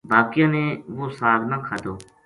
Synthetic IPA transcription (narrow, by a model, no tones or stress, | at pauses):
baːkɪjãːneːʋoːsaːɾnãːkʰaːd̪oː